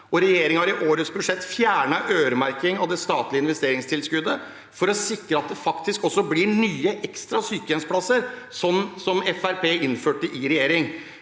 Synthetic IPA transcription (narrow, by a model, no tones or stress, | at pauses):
ʔɔɾɛjeːɾɪŋɑɾɪʔoːɾəsbʉʂɛt̪ːfjæːɳɑʔøːɾəmæɾkɪŋɑʋd̪ɛst̪ɑːt̪lɪəɪnʋɛst̪eːɾɪŋst̪ʰɪlskʉd̪ːə | fɔɾɔsɪkɾəɑt̪̚d̪ɛfɑkt̪ʰɪskɔsːɔblɪɳyːəʔɛkst̪ɾɑsyːkəɛnspʰlɑsəɾ | sɔnːsɔmɛfæɾpʰeːʔɪnføːʈːəʔɪɾɛjeːɾɪŋ